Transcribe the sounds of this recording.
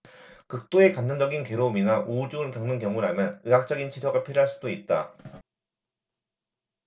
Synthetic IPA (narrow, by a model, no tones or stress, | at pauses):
kɯk̚t͈oe̞kamd͡ʑʌnd͡ʑʌɡinkeɾouminaʔuud͡ʑuɡɯɭkjʌŋnɯnkjʌŋuɾɦamjʌnɯɦak̚t͡ɕ͈ʌɡint͡ɕʰiɾjoɡapʰiɾoɦaɭs͈udoit̚t͈a̰